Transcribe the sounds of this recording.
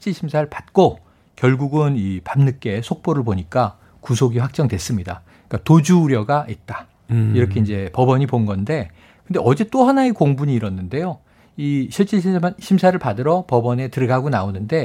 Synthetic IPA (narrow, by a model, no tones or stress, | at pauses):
it͡ɕ͈iɕʰimsʰaɾɯɭpat̚k͈o | kjʌɭɡuɡɯnipamnɯk͈e̞sʰok̚p͈oɾɯɭpoɲik͈a | kusʰoɡiɸwak̚t͡ɕ͈ʌŋdwe̞s͈ɯmɲida | k͈atod͡ʑuːɾjʌɡaʔit̚t͈ḁ | iɾʌkʰeind͡ʑe̞pʌbʌɲiponɡʌnde̞ | kɯnde̞ʔʌd͡ʑet͈ohanaekoŋbuɲiːɾʌnːɯnde̞jo | iɕʰiɭt͡ɕ͈iɕʰimsʰaɾɯɭpadɯɾʌpʌbʌne̞tɯɾɯɡaɡonaonɯnde̞